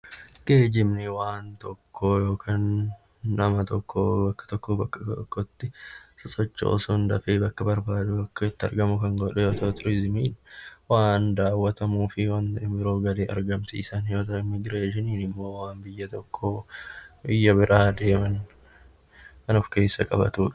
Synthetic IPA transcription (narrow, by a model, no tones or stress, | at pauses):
ɡ̥e̞ːd͡ʒɪmnɪwaːnt̪ɔkːoːjo̞ːkʰaːnː | ɐmɐt̪ɔkʰːobɐkːɐ̥t̪ɔkːoːbɐkːɐɐɔkːɔt̪ːɪsɐsɔt͡ʃːo̰ːsʊnd̪ɐfeːbɐkːɐbɐɾbaːd̪ʊɐkːɐɪt̪ːɐ̰ɾɡɐmʊkɐŋɡɔᶑɛjoːt̪ʰɐt̪ɾɪzmiːnwaːnd̪aːwːɐt̪ɐmuːfɪwɐnɪmbɪɾo̞ːɡɐleːʔɐ̰ɾɡɐmsḭːsɐnjo̞ːt̪ɐhɪmɪɡɪɾeːʃɪniːnɪmːo̞ːwaːnbɪjːɐt̪ɔkʰːoːbɪjːɐbɪɾʔaːd̪e̞ːmɐn | kɐnʊfke̞ːsːɐkʼɐ̰bɐ̰t̪uːᶑɐ̥